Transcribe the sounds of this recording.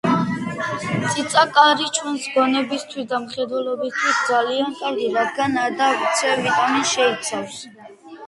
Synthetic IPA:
sʰʼit̪sʼakʼaɾit͡ʃʰwɛnsɡɔnɛbist̪ʰwisd̪amχɛd̪wɛlɔbist̪ʰwisd̪zaliankʰʼaɾɡiɾad̪ɡanad̪at̪sʰɛvit̪ʼaminʃɛit̪sʰafs

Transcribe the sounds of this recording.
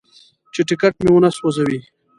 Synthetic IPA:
t͡ʃeʈɪkaʈ̚mewunaswazawi

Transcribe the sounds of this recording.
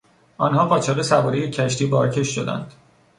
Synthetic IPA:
ʔɒːnɦɒːʁɒːt͡ʃʰɒɣe̞sævɒːɾejecʰæʃt̪iːbɒːɾcʰe̞ʃʃo̞d̪æ̰nd̪̥

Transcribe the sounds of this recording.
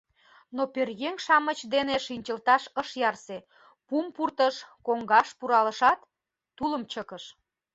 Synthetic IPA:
noperɣeŋʃɑmət͡ɕd̪eneʃinʲt͡ɕəlt̪ɑʃəʃjɑrse | pumpurt̪əʃkoŋɡɑʃpuɾɑləʃɑt̪ː | uləmt͡ɕəkəʃ

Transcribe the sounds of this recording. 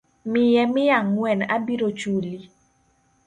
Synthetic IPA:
mɪjɛmɪjaŋːwɛna̰biɾot͡ʃuli

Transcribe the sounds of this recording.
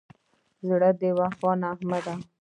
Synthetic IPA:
zɽəd̪ewaxwɑːnaːhmad̪a

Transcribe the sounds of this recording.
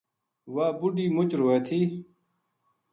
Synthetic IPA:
waːbuɖiːmut͡ɕɾoeːt̪ʰiː

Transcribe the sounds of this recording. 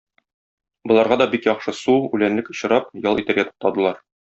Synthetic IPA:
bŏlˠɑɾʁɑd̪ɒbikjɒχʃɤsuʉlænlɘkŏɕɤ̆ɾɑpjɒlˠit̪æ̆ɾɡæt̪u̥q̚p̚t̪ɑd̪ɤ̆lˠɑɾ

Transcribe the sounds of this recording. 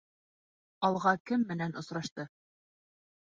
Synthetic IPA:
ɒlˠʁɑkɘmːɘ̆nænʔŏsɾɑʃt̪ɤ

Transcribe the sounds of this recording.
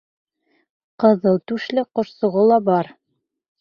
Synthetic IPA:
qɤ̆ðɤlˠt̪ʉʃlɘqŏɾsŏʁolˠɑbɑɾ

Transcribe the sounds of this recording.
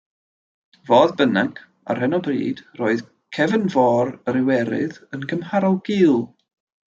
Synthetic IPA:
voːðbənaŋkʰ | a̰rhənɔbrḭːd̥roːɨð̥ | kʰɛvənvɔːɾəɾɪwɛɾɪ̰ðənkʰəmhaɾɔlˠɡ̥iːlˠ

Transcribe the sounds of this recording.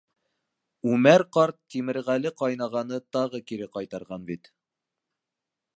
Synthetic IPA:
ʉmæɾqɑɾt̪̚ːimɘ̆ɾʁælɘqɑjnɑʁɑnɤt̪ɑʁɤkiɾɘqɑjt̪ɑɾʁɑnbit̪

